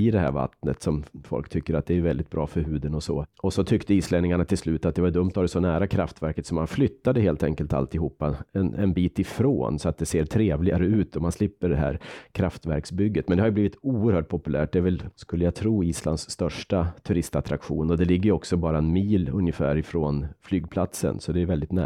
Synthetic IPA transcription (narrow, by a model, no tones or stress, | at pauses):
ɪd̪ɛhæ̰ːɾva̰t̪nət̪sɔmfɔ̰lkt̪ʰʏkːəɾat̪̚d̪ɛɛjvɛld̪ɪt̪̚bɾʔɑ̰ːfœɾɦʉ̟ːd̪ənɔsɔ̰ɔsɔt̪ʰʏkt̪əiːslɛnɪŋaɳat̪ʰɪlslʉːt̪at̪̚d̪ɛvaɖɵmt̪ʰːɔhadɛsɔnæːɾakʰɾa̰ft̪væɾkət̪sɔmːanflʏt̪ːad̪əɦeːlt̪ʰɛ̰ŋkəlt̪a̰lt̪ɪɦuːpːaɛnɛnbiːt̪ɪfɾo̰ːnsɔat̪̚d̪ɛseːʈʰɾeːvlɪɡaɾəʉ̟ːt̪̚d̪ɔmanslɪpːəɖɛɦæ̰ːɾkʰɾaft̪væ̰ɾksbʏɡːət̪mɛnd̪ɛhaɾjɵbliːvɪt̪uːəɾhœːʈ̚pʰɔpɵlʔæ̰ːʈ̚d̪ɛɾvɛlskɵlːəjaɡt̪ʰɾuːiːsla̰nsːt̪œʂʈat̪ʰɵɾɪst̪at̪ɾakɧṵːnɔd̪ɛlɪɡːəjɔksɔbɑːɾaɛnmiːlɵnjəfæ̰ːɾɪfɾoːnflyːɡ̚pʰlat̪sə̰nsɔd̪ɛɛvɛld̪ɪt̪næ̰